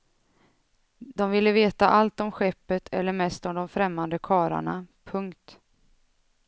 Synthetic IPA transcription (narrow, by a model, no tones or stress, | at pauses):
d̪̥ɔmvɪlːəveːt̪aʔalt̪ɔmɧɛpːət̪ʰɛlːəɾmɛst̪ɔmd̪ɔmfɾɛmːand̪əkʰɑːɾa̰ɳa̰pʰɵŋkt̪